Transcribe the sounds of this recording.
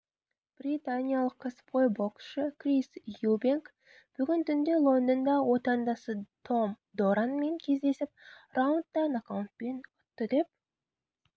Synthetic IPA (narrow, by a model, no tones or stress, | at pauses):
b̥rit̪anʲijalˠəqʰːəspʰojbokʃəkrisjubiŋk | b̥ʏɡʲɪnt̪ʰʏnd̪e̞lˠo̞nd̪ənd̪ɑwo̞t̪ɑnd̪ɑsət̪ʰo̞m | d̪oɾanme̞ŋkʲʰe̞zd̪e̞sɪp̚rawnt̪d̪ɑnakawnt̪̚pe̞nʊt̪ːəd̪e̞p̚